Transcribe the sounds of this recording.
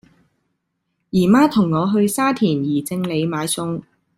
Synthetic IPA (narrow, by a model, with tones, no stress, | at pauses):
jiː˨˩maː˥t̪ʰʊ˨˩ŋːɔː˨˧ɦɵ˧ɥsaː˥t̪ʰiː˨˩njiː˨˩t͡sɪ˧ŋle˨˧jmaː˨˧˥jsʊ˨˧ŋ